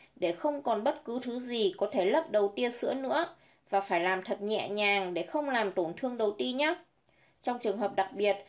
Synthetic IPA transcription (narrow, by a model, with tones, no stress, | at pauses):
ɗe˧˩xə˧wŋ͡mkɔ˨˩nɓə˦˥t̚kɨ˨˦t̪ʰɨ˨˦zi˨˩kɔ˨˦t̪ʰe˧˩lə˦˥p̚ɗə˨˩wt̪i˧əsɨ̰˧˥ənɨ̰˧˥ə | vaː˨˩faː˧˩jlaː˨˩mt̪ʰə˨˩t̚ɲɛ̰˧˨ɲaː˨˩ŋɗe˧˩xə˧wŋ͡mlaː˨˩mt̪o˧˩nt̪ʰɨ˧əŋɗə˨˩wt̪i˧ɲa˨˦ | t͡ɕɔ˧wŋ͡mt͡ɕɨ˨˩əŋɦəː˨˩p̚ɗa˨˩k̚ɓi˨˩ət̚